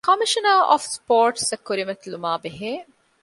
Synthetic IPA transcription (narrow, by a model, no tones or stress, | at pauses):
kɐmiʃɐnaːʔɔ̰ːfspoːɾʈsɐkːuɾimɐt̪ilumaːbeɦeː